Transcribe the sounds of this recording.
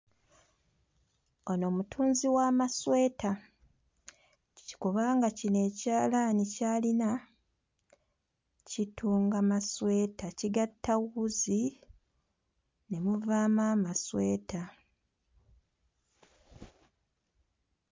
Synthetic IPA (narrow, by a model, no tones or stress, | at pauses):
ono̞ːmutʰuːnziwaːmaswe̞ːta | ci̥kuβaːŋɡacine̞ːcaːlaːnicaːlina | citʰuːŋɡamaswe̞ːtaciɡatʰːaɣuzi | ne̞muvaːmaːmasweːta